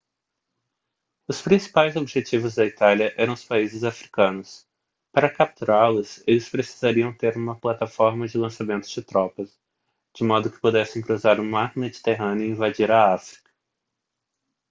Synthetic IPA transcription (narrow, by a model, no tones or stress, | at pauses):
ʊspɾĩsi̥pajzobiʒet͡ʃivʊzd̪ɐit̪aljɐʔɛɾɐ̃w̃ʊ̥spaizɪzafɾikɐ̃nʊs | paɾɐkap̚t̪uɾaɾlʊselɪspɾesi̥zaɾiɐ̃w̃t̪eɾũmɐplat̪afɔɾmɐd͡ʒɪlɐ̃samẽnt̪ʊ̥d͡ʒɪt̪ɾɔpɐs | d͡ʒɪmɔd̪ʊkɪ̥pod̪ɛsẽj̃kɾuzaɾũmaɾmed͡ʒit̪eɦɐ̃nɪʊĩvad͡ʒiɾɐafɾi̥kɐ̥